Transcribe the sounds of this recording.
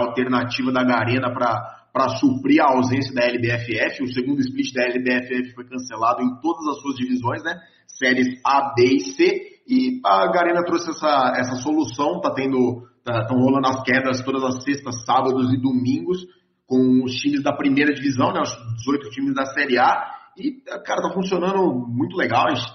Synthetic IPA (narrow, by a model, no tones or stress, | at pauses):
awt̪eɾnat͡ʃivɐd̪ɐɡaɾẽnɐpɾɐ | pɾɐsupɾiɾɐawzẽsjɐd̪ɐɛlɪbeɛfɪɛfɪʊseɡũnd̪ʊɪsplit͡ʃɪd̪ɐɛlɪbeɛfɪɛfɪ̥fojkɐ̃selad̪ʊẽj̃t̪od̪ɐzɐsuɐzd͡ʒivizõj̃snɛ | sɛɾɪsabeseɪɐɡaɾẽnɐt̪ɾosɪɛsɐɛsɐsolusɐ̃w̃t̪at̪ẽnd̪ʊt̪ast̪ɐ̃w̃ɦolɐ̃d̪ʊɐskɛd̪ɐst̪od̪ɐzɐsest̪ɐsːabɐd̪ʊzɪd̪omĩŋɡʊs | kõw̃ʊst͡ʃĩmɪzd̪ɐpɾimejɾɐd͡ʒivizɐ̃w̃nɛaʃkɪd͡ʒɪzojt̪ʊt͡ʃĩmɪzd̪ɐsɛɾiaɪkaɾɐt̪afũsionɐ̃nd̪ʊmũj̃t̪ʊleɡawiʃ